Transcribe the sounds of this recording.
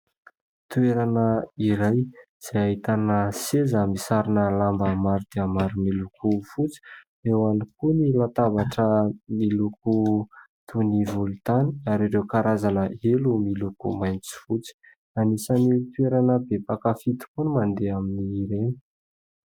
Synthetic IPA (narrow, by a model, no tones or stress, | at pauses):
t̪ueɾanəiɾaj | z̥eaɦit̪anəsezamisaɾinəlambamaɾud̪̥eamaɾimilukufut͡si̥ | ewanikunilat̪avaʈ͡ʂəmiluku | t̪ʰunivulut̪aniaɾiɾewkaɾazanəelumilukṵmajnt͡si̥fut͡si̥ | anisanit̪ueɾanəbepakafit̪u̥kunimand̪eaminiːɾeni̥